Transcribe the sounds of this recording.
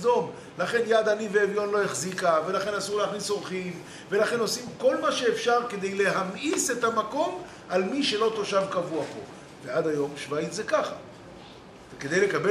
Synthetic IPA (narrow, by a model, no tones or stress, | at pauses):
do̞m | laχe̞njad̪aniveːvjo̞nlo̞jeχzikave̞laχe̞nasuʁleaχnisoʁχim | ve̞laχe̞no̞simko̞lmaʃeːfʃaʁke̞d̪e̞jle̞ɦamʔise̞t̪hamako̞m | ʔalmiʃe̞lo̞t̪o̞ʃavkavuapo̞̰ | vead̪ajo̞mʃvaitzekaχa | veke̞d̪e̞jle̞kabe